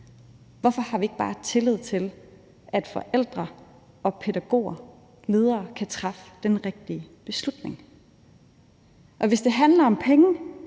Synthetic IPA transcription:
ʋɒfɒ̽hɑ̈ʋie̝ɡ̥̚b̥ɑ̈ːt͡sʰe̝leð̞̰ˠt͡sʰe̝l | ʔæd̥fɒ̽ʔel̰d̥ʁɐ | ɒ̽pʰe̝ɾæɡ̥o̝̰ːɐ | lið̞ˠɐːkʰæt͡sʰʁɑ̈fd̥enʁeɡ̥̚d̥iəb̥e̝slud̥ne̝ŋ | ʔɒ̽ʋe̝sd̥e̝ɦænlɐɒ̽mpʰeŋə

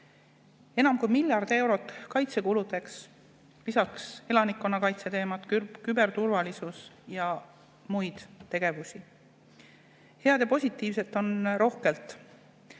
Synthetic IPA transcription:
e̞nɑmkujmilʲjɑrd̪̥e̞wɾo̞t̪ːˑkɑjt̪se̞kulud̪e̞ks | lisɑkse̞lɑnikːˑo̞nːɑkɑjt̪se̞t̪e̞ːmɑt̪kybe̞rt̪urvɑlisusjɑ | mujd̪̥t̪ːe̞ɡ̥e̞vusi | he̞ɑd̪̥jɑpo̞sʲit̪ːˑiːvse̞t̪ːˑo̞nro̞hke̞lt̪ˑ

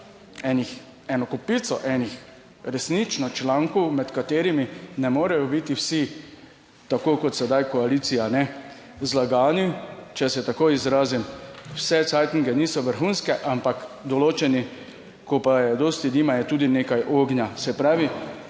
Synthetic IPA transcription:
ɛnix | ɛnɔkɔpiːt̪sɔʔɛnix | ɾɛsnit͡ʃnɔt͡ʃlaːŋkɔwmɛt̪kat̪eːɾiminɛmoːɾɛjɔbit̪iwsi | t̪akoːkɔt̪sɛd̪ajkɔalit̪sijanɛ | zlaɡaːnit͡ʃɛsjɛt̪akojizɾaːzimwsɛsajt̪iŋɡɛniːsɔʋəɾxuːnskɛʔampakd̪ɔloːt͡ʃɛni | kɔpajɛd̪oːst̪id̪iːmajɛt̪uːd̪inekajʔoːɡnjasɛpɾaːʋi

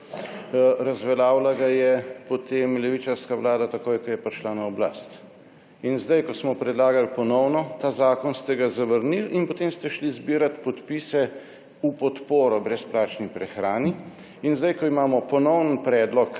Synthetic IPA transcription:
ɾazʋɛlaːwlaɡajɛpot̪emlɛʋit͡ʃaɾskaʋlaːd̪at̪akoːjkɔjɛpɾʃlanaɔbla̰st̪ | inzd̪ajkɔsmɔpɾɛd̪laːɡalpɔnɔwnɔt̪aːzaːkɔnst̪ɛɡazaʋəɾnilinpɔt̪eːmst̪ɛʃlizbiːɾat̪pɔt̪piːsɛ | upɔt̪poːɾɔbɾɛsplaːt͡ʃnipɾɛxɾaːni | inzd̪ajkɔimaːmɔpɔnɔwnənpɾɛːd̪lɔk

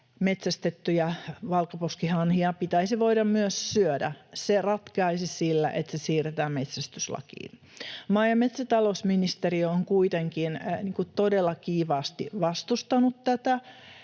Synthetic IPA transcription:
met̪sæst̪et̪ːyjɑʋɑlkɑposkihɑnhiɑpit̪æisiʋoidɑmmyøssyødæ̰serɑt̪kɑisisilːæ̰ʔet̪sesiːret̪æːmmet̪sæst̪yslɑ̰kḭːn | mɑːjɑmet̪sæt̪ɑlosminist̪erioŋkuit̪eŋkinniːŋkut̪odelːɑkiːʋɑːst̪ḭʋɑst̪ust̪ɑnut̪t̪æt̪æ

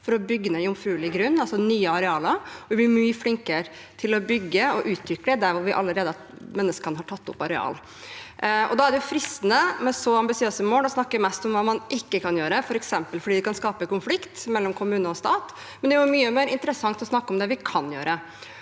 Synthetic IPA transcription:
fɔɾɔbʏɡːənæɪʊmfɾʉːlɪɡɾʉnːɑlsɔnyːəɑɾɛɑːləɾʋɪblɪɾmyːəflɪŋkə | t̪ʰɪlɔbʏɡːəɔʔʉːt̪ʰɾʏkːəd̪əd̪æɾʋʊɾʋɪʔɑ̰lːəɾeːd̪ə | mɛnːəskənəɦɑʈʰɑt̪ːʊpɑɾɛɑ̰ːl | ɔ̰d̪ɑːæɖɛjʊfɾɪst̪ənəmɛsɔɑmbɪsɪøːsəmoːlɔsnɑkːəɾmɛst̪ɔmʋɑːmɑnʔɪkːəkʰɑnjøːɾəfɔɾɛksɛmpəlfɔɖiːd̪ɛkʰɑnskɑːpəkʊnflɪkt̪mɛlːɔmkʰʊmʉːnəɔst̪ɑːt̪ | mɛnd̪ɛæjʊmyːəmeːɾɪnt̪əɾəsɑŋt̪ɔsnɑkːɔmd̪ɛʋɪkʰɑnjø̰ːɾə

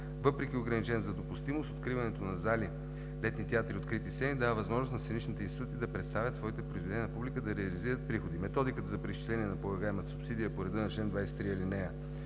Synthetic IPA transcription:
vɤpɾɛk̟ioɡɾɐnit͡ʃɛnəzɐd̪opust̪imost̪ot̪kɾivɐnɛt̪onɐzali | lɛt̪nit̪ɛat̪ɾiot̪kɾit̪ist̪ɛnid̪avəvɐzmɔʒnosnɐsɛnit͡ʃnit̪ɛinst̪it̪ut̪iːd̪ɐpɾɛt̪st̪avʲjət̪svɔit̪ɛpɾoizvɛd̪ɛnʲjːnɐpublikəd̪ɐɾɛɐliziɾət̪̚pɾixod̪imɛt̪ɔd̪ikət̪zɐpɾisʃt͡ʃi̥slɛniɛnɐpɾoɡaɛmət̪əsʊpsid̪ijəpoɾɛd̪ɤnɐt͡ʃlɛnd̪vajsɛ̥t̪ɾiɐlinɛə

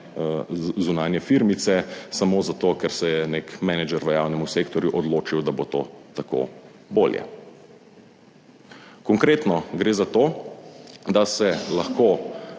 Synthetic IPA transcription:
zunaːnjɛfiɾmit̪sɛsamoːzat̪okɛɾsɛjɛnekmɛnɛd͡ʒɛɾʋəjaːwnɛmuseːkt̪ɔɾjuʔɔd̪loːt͡ʃiwd̪abot̪oːt̪ako̰ː | boːljɛ̰ | kɔŋkɾeːt̪nɔɡɾeːzat̪oː | d̪asɛlaxkoː

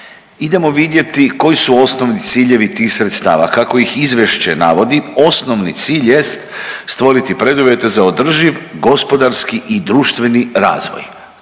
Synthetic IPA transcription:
id̪e̞mo̞ʋid̪je̞t̪iko̞jisuo̞sno̞ʋnit̪siːʎe̞ʋit̪iːxsɾet̪st̪a̰ːʋa̰kako̞ixizʋje̞ʃt͡ɕena̰ʋo̞d̪io̞snoʋnit̪siːʎje̞st̪st̪ʋo̞ɾit̪ipɾe̞d̪uʋje̞t̪e̞zao̞d̪r̩ʒiʋɡo̞spo̞d̪aɾskiʔid̪ɾuːʃt̪ʋe̞niɾa̰ːzʋo̰j

